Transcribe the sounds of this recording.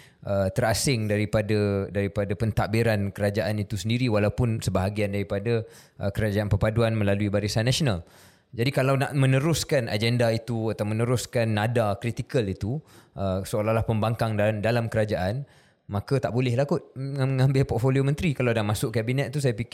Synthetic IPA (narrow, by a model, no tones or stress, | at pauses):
ʔət̪əɾasɪŋdaɾipadadaɾipadapənt̪aʔbiɾankəɾad͡ʒaʔanit̪usəndiɾiwalawpʊnsəbaɦaɡiandaɾipada | ʔəkəɾad͡ʒaanpəpaduanmə̃laluibaɾisanːasonal | d͡ʒadikalawnaʔmə̃nəɾʊskana̰d͡ʒɛndait̪uat̪awmə̃nəɾʊskanːadakɾit̪ikəlit̪uʔəsəolahlahpəmbaŋkaŋdadalamkəɾad͡ʒaʔan | mãkat̪aʔbolɛhlakʊt̪̚aŋãmbɪlpɔt̪foliomə̃nt̪ɾikalawdahmãsʊʔkabinɛt̪̚t̪ːus̬ajap̬ik